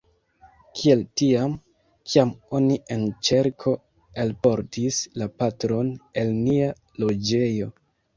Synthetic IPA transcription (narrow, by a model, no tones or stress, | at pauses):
kʰie̞ltiam | kʰiamo̞niʔent͡ʃe̞ɾkʰo̞ | alpo̞ɾtislapatɾo̞ne̞lnia | lo̞d͡ʒe̞jo̞